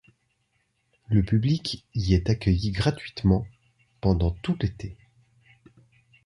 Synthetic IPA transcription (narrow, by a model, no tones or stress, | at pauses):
ləpyblikiɛt̪akʲœjiɡʁat̪ɥit̪mɑ̃ | pɑ̃d̪ɑ̃t̪ut̪et̪e